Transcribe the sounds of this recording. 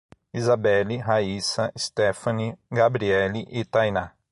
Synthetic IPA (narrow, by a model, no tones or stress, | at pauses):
izabɛliɦaisɐist̪efɐniɡabɾiɛliʔit̪ajna